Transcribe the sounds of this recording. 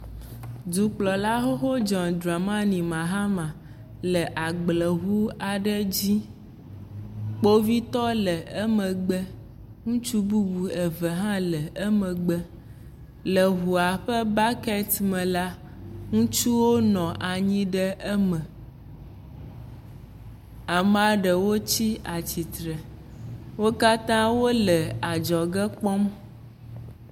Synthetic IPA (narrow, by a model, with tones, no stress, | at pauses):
du˨k͡plɔ˨la˦ɦo˦xo˦d͡ʒɔ̃˨nd̪ɾa˨mã˦nĩ˨mã˨ɦa˦mã˨ | lɛ˨ʔa˨ɡ͡blɛ˨ɣu˦a˨ɖɛ˦d͡ʑi˦ | k͡po˦vi˦t̪ɔ˦lɛ˨ɛ˦mɛ̃˨ɡ͡bɛ˦ | ŋũ˦t͡ʃu˦bu˦ɡu˨ɛ˨və˨ɦã˦lɛ˨ɛ˦mɛ̃˨ɡ͡bɛ˦ | lə˨ɦu˨a˨ɸə˦ba˦kɛ˦t̪mɛ̃˨la˦ | ŋũ˦t͡ʃu˦wo˦nɔ̃˨ʔa˨ɲĩ˦ɖə˦ʔə˦mə̃˨ | a˨ma˨ɖə˨wo˦t͡ɕi˦a˨t͡ɕi˨t̪ɾɛ˨ | wo˦ka˦t̪ã˦wo˦lə˨a˨d͡ʒɔ˨ɡə˦k͡pɔ˦m